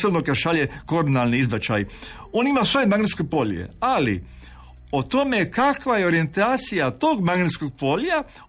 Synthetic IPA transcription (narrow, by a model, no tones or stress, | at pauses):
sobnokad̪ʃaʎeko̞ɾonalniizbat͡ʃa̰j | o̞ːnimasʋo̞jemaɡnet̪skopo̞ʎḛalḭ | ot̪o̞me̞kakʋajeo̞ɾije̞nt̪aːt̪sijat̪o̞ːɡmaɡnet̪sko̞ɡ̚po̞ʎja